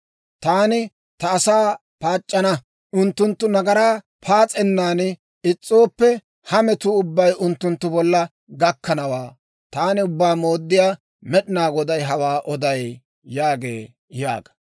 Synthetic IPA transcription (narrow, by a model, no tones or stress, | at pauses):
t̪aːnɪ | t̪ɐːsaː | paːt͡ʃʼːɐnɐ | ʊnt̪ːʊnt̪ːʊnɐɡɐɾaː | pʰaːt͡sʼɛnːaːn | ɪt͡sʼːo̞ːpːɛ | hɐmɛt̪ʊʊbːɐjʊnt̪ːʊnt̪ːʊbɔlːɐ | ɡɐkːɐnɐwaː | t̪aːnɪʊbːaːmoːd̪ːɪjaː | mɛɗɪnaːɡɔd̪ɐjɦɐwaːʔɔd̪ɐj | jaːɡḛː | ja̰ːɡɐ̥